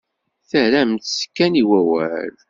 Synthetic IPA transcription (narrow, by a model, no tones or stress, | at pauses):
θæɾæmt̪skːæniwæwæ̰l